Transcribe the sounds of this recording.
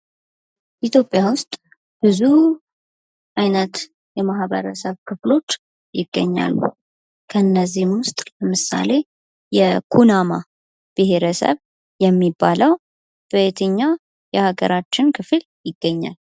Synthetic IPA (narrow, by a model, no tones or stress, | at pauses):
ʔit̪ʰjo̞pʼːjawʊst̪ʼ | b̥ɨzu | ʔajnət̪ | jɛmaɦβə̰ɾəsəβkʰɨflo̞t͡ʃː | jɪɡːə̰ɲːa̰lːṵ | kʰəɨnːəzːihmwʊst̪ʼləmɨsa̰le̞ | jɛkʰunama | b̥ɨɦeɾəsə̰β | jɛmːibːaləw | b̥əet̪ʰəɲːa | jɛhaɡə̰ɾat͡ʃːɪnkʰɨfl | jɪɡːəɲːa̰l